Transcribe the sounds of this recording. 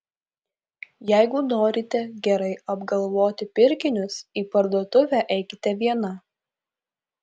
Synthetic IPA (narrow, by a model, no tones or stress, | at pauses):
jæɪɡʊnoːɾʲɪt̪ʲɛɡʲɛɾɐɪɐbɡɐlˠʋoːt̪ʲɪpʲɪɾʲkʲɪnʲʊsiːpɐɾd̪uɔt̪ʊʋʲæʔɛɪkʲɪt̪ʲɛʋʲiɛnɐ